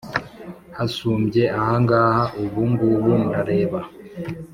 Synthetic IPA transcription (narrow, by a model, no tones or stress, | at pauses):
hasuːmbjeʔahaŋɡahaʔuβuŋɡuβundaɾe̞ːβa